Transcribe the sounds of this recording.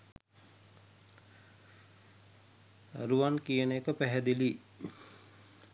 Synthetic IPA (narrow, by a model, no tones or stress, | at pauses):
a̰ɾuʋankijənəekəpæɦɛd̪ili